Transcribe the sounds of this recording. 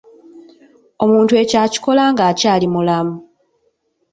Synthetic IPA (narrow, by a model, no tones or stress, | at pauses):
o̞muːntue̞caːci̥ko̞laːŋɡaːcaːlimulamu